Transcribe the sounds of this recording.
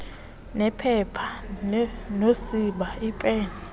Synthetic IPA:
nɛpʰɛpʰa | nosiɓaipʼɛːna

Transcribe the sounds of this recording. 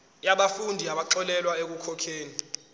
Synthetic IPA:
jaɓafundʱiaɓaǁɔlɛlwaek̬ukʰɔkʰeːni

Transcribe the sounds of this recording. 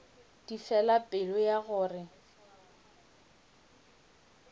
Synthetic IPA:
d̥ifɛlapʼɪlɔjaɣʊːrɪ

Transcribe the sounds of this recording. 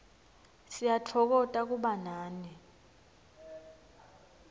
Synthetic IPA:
sijat͡ɬʰɔk̬ɔtʼak̬uɓanaːni

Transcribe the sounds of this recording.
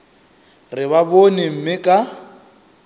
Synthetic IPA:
rɪβabonem̩mɪkʼa

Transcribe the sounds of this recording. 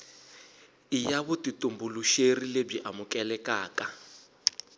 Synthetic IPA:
ijaβutitʼumbuluʃerilebiʔamukʼɛlɛkaːka

